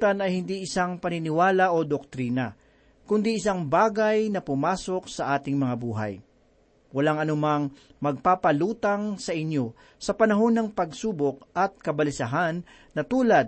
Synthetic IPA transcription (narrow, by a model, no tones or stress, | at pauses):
t̪ɐnɐjhɪnd̪iʔɪsaŋpɐnɪnɪwaːlaʔod̪ok̚t̪ɾiːnɐ | kʊnd̪iʔɪsaŋbaːɡajnɐpʊmaːso̞k̚sɐʔaːt̪ɪŋmɐŋabuːɦa̰j | wɐlaŋɐnʊmaŋ | mɐɡ̚papɐluːt̪ɐŋsɐʔɪɲjo̞ | sɐpɐnɐɦo̞nɐŋpɐɡsuːbok̚ʔɐt̪̚kɐbɐlɪsɐɦanː | ɐt̪uːlɐd̪̚